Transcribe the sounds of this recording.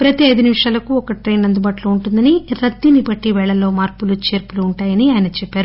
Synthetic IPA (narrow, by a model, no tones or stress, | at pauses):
pɾɐt̪iɐjd̪unimʂaːlɐkuɔkɐʈɾe̞ːnɐnd̪ubaːʈlouɳʈund̪ɐniɾɐt̪ːinibɐʈːiʋɛːɭɐlːo̞ːmaːɾpulut͡ʃe̞ːɾpuluːɳʈaːjɐniaːjɐnɐt͡ʃɛpːaːɾu